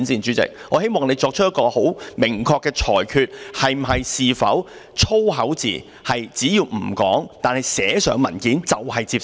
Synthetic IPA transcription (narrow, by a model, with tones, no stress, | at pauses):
nsiː˨nt͡ʃyː˨˥t͡sɪ̰˨k̚ŋɔː˨˧he˥jmɔː˨ŋne˨˧jt͡ʃɔː˧k̚t͡ʃʰɵ˥jɐ˥tkɔː˧ho˨˥wmɪ˨˩ŋkʰɔː˧kːɛː˧t͡ʃʰɔː˨˩jkʰyː˧t̚hɐ˨˩jm̩˨˩ɦɐ˨jsiː˨fɐ̰˨˥wt͡ʃʰo˥wɦɐ˨˥wt͡sḭː˨ | hɐ˨jt͡siː˨˥jiː˧wm̩˨˩kɔ̰ː˨˥ŋt̪aː˨nhɐ˨jsɛː˨˥sœː˨˧ŋmɐ˨˩nkiː˨˥nt͡sɐ˨whɐ˨jt͡siː˧p